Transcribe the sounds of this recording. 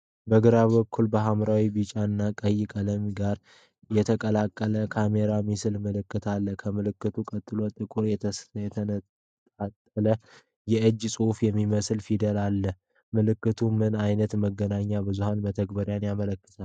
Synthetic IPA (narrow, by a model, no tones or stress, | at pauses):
bəɡɨɾaβəkʰːulbəɦamɾawibɨt͡ʃʼanːakʼəjɪkʼələmɡaɾ | jɛt̪ʰəkʼəlakʼːələkʰame̞ɾamisɨlmɨlɨkːɨt̪ʰalːəkʰəmɨlɨkːɨt̪ʰukʼət̪ʼːɨlo̞t̪ʼːɨkʼuɾjɛjɛt̪ʰənʼ | at̪ʼːələ | jɛʔɨd͡ʒːsʼufjɛmːiməslfid̪əlalːəh | mɨlɨkːɨt̪ʰumɨnajnət̪məɡːənaɲːabɨzuhanbət̪ʰəɡbəɾjanjamələkːə̥t̪ʰal